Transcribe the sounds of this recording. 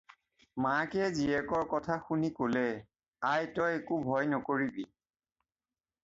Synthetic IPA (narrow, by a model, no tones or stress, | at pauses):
makɛziɛkɔɹkɔtʰaxunikolɛ | ajtɔjekubʱɔjnɔkoɹibi